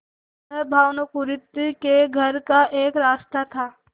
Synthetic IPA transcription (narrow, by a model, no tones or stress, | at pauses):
d̪ʱəɾbʱaːʋnokuɾɪt̪ːkeɡʱɐɾkaʔeːkɾaːst̪ʰat̪ʰaː